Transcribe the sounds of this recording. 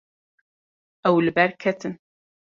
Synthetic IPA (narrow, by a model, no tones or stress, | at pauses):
æwlbæɾkʰæt̪ən